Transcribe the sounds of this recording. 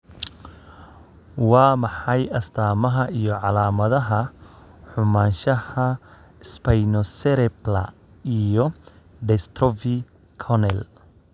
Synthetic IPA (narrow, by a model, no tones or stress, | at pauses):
wɑːmɑħɑjɐst̪ʰaːmɐɦɐʔijɔʕɑlaːmɐðɐɦɐ | ħʊmaːnʃɐhɐ | ɪspɐjnɔsɛɾɛblɐ̰ | ijɔ | ɖɛst̪ɾɔvi | kʰɔnɛl